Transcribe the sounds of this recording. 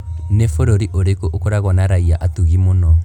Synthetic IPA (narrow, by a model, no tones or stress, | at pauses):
nefoɾoɾiʔoɾekoʔokoɾaɣɔnaɾaiaʔatuɣimonɔ